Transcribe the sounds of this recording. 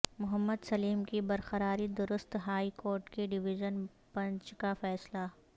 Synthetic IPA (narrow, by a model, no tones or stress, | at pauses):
mʊɦəmːəd̪sɐliːmkibɐɾxəɾaːɾid̪ʊɾʊst̪ɦaːikoːɾʈkeɖɪʋɪʒən | pɐ̃ɲt͡ʃkafɛːsla